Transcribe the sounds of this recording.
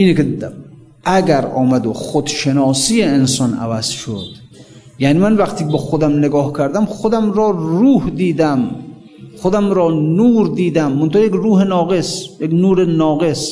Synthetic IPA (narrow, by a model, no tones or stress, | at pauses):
iːnekeim | ʔæɡæɾɒ̰ːmæd̪oxod̪ʃenɒːsiːjeensɒnæ̰væz̥ʃo̰d̪̥ | jæːniːmænvæxt̪ʰiːkbɔxod̪æmneɡɒːhkʰæɾd̪æmxod̪æmɾɔːruːhd̪iːd̪æm | xod̪æmɾɒːnuːɾd̪iːd̪æmːont̪ʰohjekɾuːhenɒːɣesjeknuːɾenɒːɣes